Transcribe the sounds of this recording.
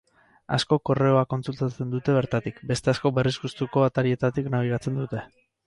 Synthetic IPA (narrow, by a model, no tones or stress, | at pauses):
a̰sko̞ko̞re̞o̞ako̞nt͡sult̪at͡se̞nd̪ut̪e̞β̞e̞ɾt̪at̪ikbe̞st̪e̞asko̞be̞rizɣust̪uko̞βat̪aɾie̞t̪at̪iknaβ̞iɣat͡se̞nd̪ut̪e̞